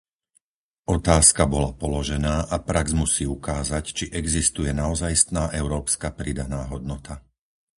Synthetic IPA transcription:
ʔɔt̪aːskabɔlapɔlɔʒɛnaːʔapɾaɡzmusiːukaːzact͡ʃiʔɛɡzist̪ujɛnaɔzajst̪naːʔɛʊɾɔːpskapɾid̪anaːɦɔd̪nɔt̪a

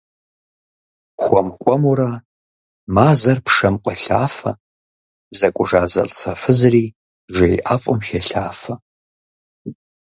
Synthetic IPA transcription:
xʷɔmkʷʼɔmuɾɐ | maːzɐrpʰʂɐmqʷʼɐɬa̰ːfɐ̰ | zɐkʷʼʊʒaːzɐ̰ɬt͡sʰɐfɨzriː | ʒejʔaːfʼʊmxeɬaːfɐ

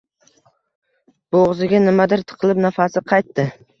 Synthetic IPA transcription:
b̥oʁzɪɡʲanɪmad̪ɪɾt̪ʰɨ̥qʰɨlˠɪpnafasɪqʰɑjt̪ːɪ

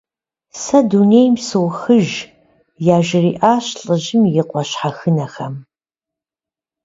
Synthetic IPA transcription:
sɐdunejmsɨwxɨʒ | jaːʒɪriːʔaːɕɬʼɨʑɪmjɪqʷʼɔɕħaxɨnɐxɐm

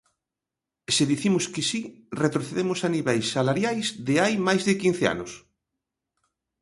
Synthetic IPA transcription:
seðiθimʊskɪsiret̪ɾoθeðemʊsaniβɛjsːalaɾjajzðɪajmajzðɪkin̟θea̰nʊs

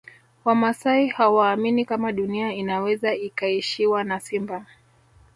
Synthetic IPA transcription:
wamasaihawaːminikamaɗuniainawɛzaikaiʃiwanasimba

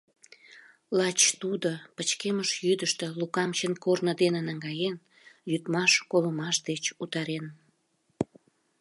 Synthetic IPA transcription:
lɑt͡ɕt̪ud̪opət͡ɕkeməʃjyd̪əʃt̪ĕlukɑmt͡ɕənkornəd̪enənəŋɡɑjen | jyt̪mɑʃkoləmɑʃd̪et͡ɕut̪ɑɾen

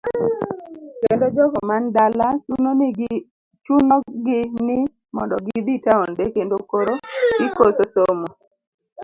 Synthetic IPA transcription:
kendod͡ʒɔɡɔmandalat͡ʃunon | t͡ʃunɔɡɪnɪ | mɔndɔɡɪd̪itaondekendokoɾoɡɪkososomo

